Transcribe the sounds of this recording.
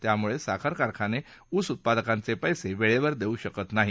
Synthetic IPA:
t̪jamuɭesakʰaɾkaɾkʰane | usut̪̚pad̪əkant͡sepəjseʋeɭeʋəɾd̪euɕəkət̪naɦi

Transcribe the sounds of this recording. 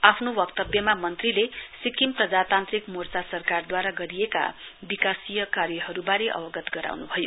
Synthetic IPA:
apʰnowʌkt̪ʌbjʌmamʌnt̪rilesikimprʌd͡zat̪ant̪rikmort͡sasʌrkard̪waɾaɡʌɾijeka̰bikasijʌkarjʌɦʌɾubaɾeʔʌ̰bʌɡʌt̪ɡʌɾa̰wnubʱʌjo

